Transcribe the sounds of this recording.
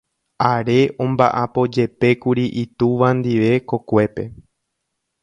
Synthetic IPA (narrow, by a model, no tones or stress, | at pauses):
aɾe̞ʔõ̞mbaʔapo̞d͡ʒe̞pe̞kuɾiʔit̪uʋãnd̪iʋe̞ko̞kʷe̞pe̞